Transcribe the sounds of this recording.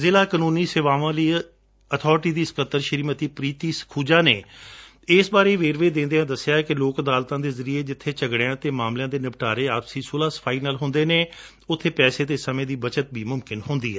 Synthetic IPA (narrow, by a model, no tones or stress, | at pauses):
zɪlaːkənũːniːsɪʋaːʋãːləiː | ət̪ʰɔːɾʈiːd̪iːsə̥kət̪ːəɾʃəɾiːmət̪iːpɾiːt̪iːskʰuːd͡ʒaːneː | ɪːsbaːɾeːʋeːɾʋeːd̪ẽːnd̪eːãːd̪əsːjaːɛkɪloːkəd̪aːlt̪ãːd̪eːzəɾieːd͡ʒɪt̪ʰːeːt͡ʃəɡɽejãːt̪eːmaːmljãːd̪eːnɪpʈaːɾeːaːpsiːsoːlaːsə̥pʰaːiːnaːlɦʊ̃nd̪eːneː | ʊt̪ʰːeːpɛːseːt̪eːsəmẽːd̪iːbət͡ʃət̪̚biːmʊmkɪnɦõnd̪iːɦɛː